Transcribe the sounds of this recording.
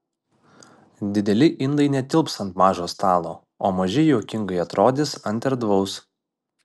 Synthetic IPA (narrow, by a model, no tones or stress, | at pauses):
d̪ʲɪd̪ʲɛlʲɪʔɪnd̪ɐɪnʲɛt̪ʲɪlˠpsɐnt̪mɑːʒoːst̪ɑːlˠoː | oːmɐʒʲɪjoːkʲɪŋɡɐɪɐt̪ɾʔoːd̪ʲɪsɐnʲt̪ʲɛɾd̪ʋɒʊs